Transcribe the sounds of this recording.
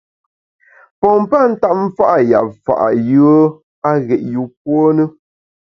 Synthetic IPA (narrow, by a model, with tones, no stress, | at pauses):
pɔ˨m̩˦pa˦˨n̩˦ta˦˨p̚m̩˦fa˦ʔa˨ja̰˨p̚fa̰˨ʔa̰˨jɯ˦ə˦ | a˦ɣɛ˨ʔju˨p̚wo˦nə˦